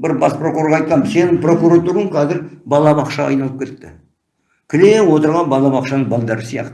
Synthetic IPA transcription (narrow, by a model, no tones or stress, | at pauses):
bɪɾbɑspro̞kuɾoɾʁɑjt̪̚qɑməse̞nɪŋpro̞kuɾat̪uɾəɴqʰɑzɪɾbɑlˠɑbɑqʃɑɑ̰jnɑlˠəp̚kʲe̞t̪ːɪ̰ | kʲʰɪnewo̞t̪əɾʁɑnbɑlˠɑbɑqʃɑnəɴbɑlˠd̪ɑɾəsijɑ̰qt̪ə